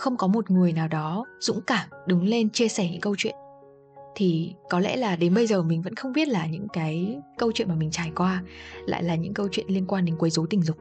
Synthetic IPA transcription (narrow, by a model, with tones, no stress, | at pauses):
xə˧wŋ͡mkɔ˨˦mo˨˩t̚ŋɨ˨˩əjnaː˨˩wɗɔ˨˦z̥ʊ̰˧˥ŋ͡mkaː˧˩mɗɨ˨˦ŋle˧nt͡ɕi˧əsɛː˧˩ɲɨ̰˧˥ŋkə˧wt͡ɕwḭ˧˨ən | t̪ʰi˨˩kɔ˨˦lɛ̰˧˥laː˨˩ɗe˨˦nɓə˧jzəː˨˩mï˨˩ŋ̟və̰˧˥nxə˧wŋ͡mɓi˦˥ət̚laː˨˩ɲɨ̰˧˥ŋkaː˨˦jkə˧wt͡ɕwḭ˧˨nmaː˨˩mï˨˩ŋ̟t͡ɕaː˧˩jkwaː˧la̰ː˧˨jlaː˨˩ɲɨ̰˧˥ŋkə˧wt͡ɕwḭ˧˨nli˧ənkwaː˧nɗe˨˦nkwə˨˦jzo˨˦t̪ï˧˩ŋ̟zʊ˨˩k͡p̚